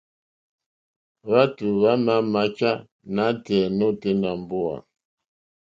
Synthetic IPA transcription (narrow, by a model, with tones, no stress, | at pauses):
βa˦tu˨βa˦ma˦ma˨˦t͡ʃa˦ | na˨˦tɛ˨no˦te˦na˨m˨bu˦a̰˨